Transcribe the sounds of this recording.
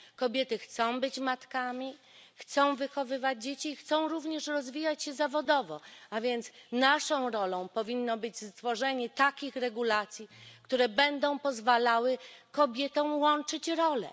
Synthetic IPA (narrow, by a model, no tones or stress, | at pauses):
kɔbʲjɛt̪ɘxt̪sɔ̃w̃bɘt͡ɕmat̪kamʲi | xt̪sɔ̃w̃vɘxɔvɘvad͡ʑd͡ʑet͡ɕiːxt̪sɔ̃w̃ɾuvɲɛʂɾɔzvʲijat͡ɕɕɛzavɔd̪ɔvɔavʲjɛnt̪snaʂɔ̃w̃ɾɔlɔ̃w̃pɔvʲinːɔbɘd͡ʑzt̪fɔʐɛɲɛt̪akʲixɾɛɡulat̪sʲjikt̪uɾɛbɛnd̪ɔ̃w̃pɔzvalawɘkɔbʲjɛt̪ɔ̃w̃wɔnt͡ʂɘt͡ɕɾɔlɛ̰